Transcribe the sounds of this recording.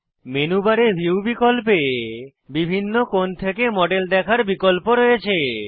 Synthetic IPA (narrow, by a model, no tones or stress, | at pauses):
menubaɾeɾbʱiubikolpe | bibʱinːokont̪ʰekemɔɖeld̪ɛkʰaɾbikolpoɾɔjet͡ɕʰe